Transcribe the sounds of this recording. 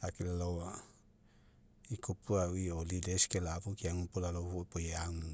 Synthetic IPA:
akilalowa | ikupuawiolideskelapukiaŋupolalohupojaŋu

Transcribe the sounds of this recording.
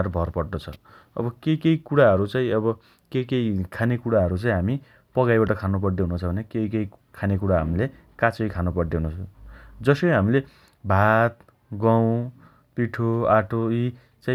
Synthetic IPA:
aɾbʱʌrpʌrd̪ʌt͡sʰʌ | ʌ̰bʌkejkejkuɽaɦʌɾut͡saĩʌbʌ | kejkeikʰanekuɽaɦʌɾut͡saĩɦami | pʌɡajbaʈʌkʰanup̬ʌɽd̪eɦununt͡sʰʌbʱʌnekejkejkʰanekuɽaɦamile | kat͡sʌjkʰanupʌrd̪eɦunũt͡sʰd͡zʌsʌjɦamile | bʱat̪ | ɡaw̃ | piʈʰoaʈʰoi | t͡sãĩ

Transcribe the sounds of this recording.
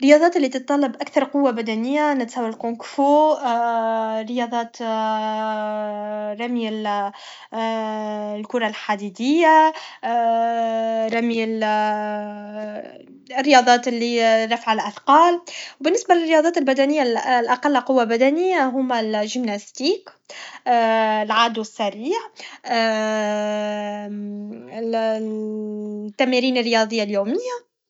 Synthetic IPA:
ɾːɪjɑðˤɑːt̪ɪlːit̪ɨt̪̚t̪ˤːɑlːɑbʔakθɑɾˤqʊwːabæd̪ænɪjːanɪt̪sæːwalqʊŋkfo | ɾːɪjɑd̪ˤɑːt̪ | rˤɑmil | lkʊɾˤɑlħad̪id̪ɪjːa | ɾˤɑmil | rːɪjɑd̪ˤɑːt̪lːiɾˤɑfʕalʔaθqɑːlwbɪnːɪsbalɪrːɪjɑːd̪ˤɑːt̪ɪlbæd̪ænɪjːalʔɑqɑlːqʊwːabæd̪ænɪjːaɦʊmalʒɪmnast̪iːkː | lʕaːd̪uɪsːæɾiːʕ | t̪ːæmiɾiːnɪrːɪjɑd̪ˤəjːaljuːmɪjːa

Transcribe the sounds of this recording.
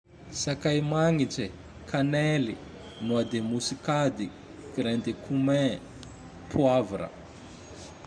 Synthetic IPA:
sakajmaŋiʈ͡ʂe | kʰanɛli | nuad̪emusikad̪i | kiɾɛnd̪ekʰumɛ̃ | pʰuavuɾə̰

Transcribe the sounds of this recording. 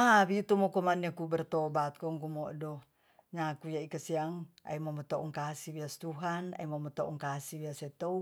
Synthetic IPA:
abit̪ɔmɔkɔmaniakubɛrt̪ɔbat̪̚kɔŋkumɔdɔ | ɲakujaikasiaŋa̰imɔmɔt̪ɔɔŋkasibiast̪uɦana̰imɔmɔt̪ɔʔɔŋkasibiasɛt̪ou

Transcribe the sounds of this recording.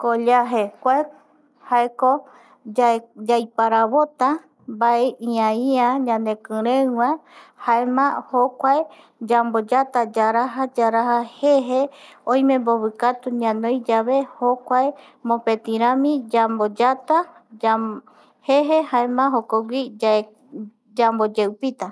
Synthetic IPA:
koʎaɦekʷae | haeko | d͡ʒajpaɾaβot̪a | baeĩãiãɲãnd̪ekɨ̃ɾẽwãhaemãhokʷae | d͡ʒambod͡ʒat̪ad͡ʒaɾaɦad͡ʒaɾahaheɦeõj̃mẽ̞mboβɨkat̪uɲãnõjd͡ʒaβe̞hokʷae | mõpet̪ĩɾ̃ãmĩd͡ʒambod͡ʒat̪a | heɦehaemãɦokoɡʷi | d͡ʒambod͡ʒewpit̪a

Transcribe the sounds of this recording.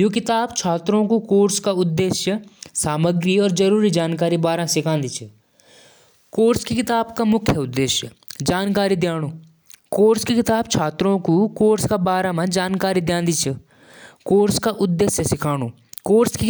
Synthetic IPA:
jõːk̬ɪt̪aːbt͡ʃʰaːt̪ɾõkokoːɾskaʊd̪ːeːʃjəsaːməɡɾiɔːɾd͡ʒɐɾuːɾid͡ʒaːnkaːɾibaːɾãsɪkʰãːnd̪it͡ʃʰə | koːɾskekɪt̪aːbkamʊkʰːjəʊd̪ːeːʃjə | d͡ʒaːnkaːɾid̪jaːɽ̃oː | koːɾskekɪt̪aːbt͡ʃʰaːt̪ɾõkukoːɾskabaːɾãmãd͡ʒaːnkaːɾid̪jãːnd̪it͡ʃʰə | koːɾskaʔʊd̪ːeːʃjəsɪkʰaːɽ̃oː | koːɾske

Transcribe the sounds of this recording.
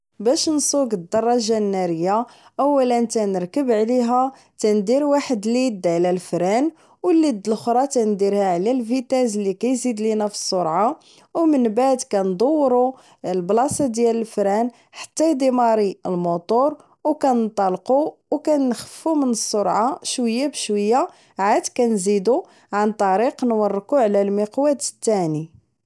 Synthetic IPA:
bæʃnsˤuɡəd̪ːɑrˤːɑʒanːæɾəjːaʔəwːælənt̪ænəɾkəbʕliɦæ | t̪ænd̪iɾwaħəd̪lid̪ʕlælfɾæn | wəlːid̪ːəlxɾˤɑt̪ænd̪iɾhæʕlælfit̪æzlːikæjzid̪linæfi̥sˤːoɾʕa | wmənbaʕd̪kænd̪ˤowːɾu | əlblɑsɑd̪jæləlfɾæn | ħḁt̪ːæjd̪imɑɾiəlmot̪ˤoɾˤ | wkænənt̪ˤɑlquwkænːxə̥fːumənəsˤːoɾʕaʃwəjːabəʃwəjːa | ʕad̪kænzid̪u | ʕant̪ˤɑɾiqnwɑrˤːkuʕlælmiqwæt̪ət̪ːæni

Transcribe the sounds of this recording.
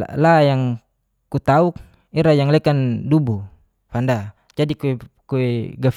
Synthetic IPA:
lajaŋ | kut̪auk̚ | iɾajaŋlɛkandubu | fanda | d͡ʒadikuɛkuɛɡaf

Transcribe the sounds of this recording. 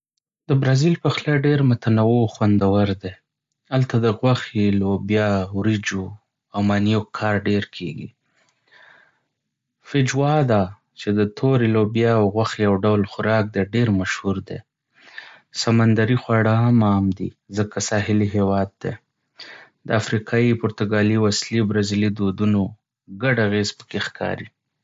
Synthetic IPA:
d̪əbɾɑzilpəxlaɖeɾmʊt̪anawoxwand̪awaɾd̪e | alt̪ad̪əɣwaxelobjɑwɾid͡ʒo | awmanijokʰɑɾɖeɾkʰḛɡḭ | fɪd͡ʒwɑd̪ɑ | t͡ʃed̪ət̪ʰoɾelobjɑwɣwaxjawɖawlxʊɾɑk̚d̪eɖeɾmaʃhuɾd̪e | samand̪aɾixwɑɽəɦamɑmd̪izəkasɑɦɪliɦewɑd̪̚ːḛ | d̪əafɾikʰɑipʊɾt̪ʊɡɑliwaslibɾazilid̪od̪uno | ɡaɖaɣezpə̥kexkʰɑ̰ɾi

